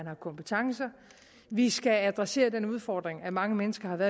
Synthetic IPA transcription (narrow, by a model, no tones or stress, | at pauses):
ænhɑ̈kʰɒ̽mpʰə̥t͡sʰɑ̈ŋsɐ | ʋisɡ̥ææd̥ʁɑse̝̰ːɐd̥enuð̞ˠfɒːd̥ʁeŋæmɑ̈ŋəmenəsɡ̥ɐhɑ̈ʋæːɐ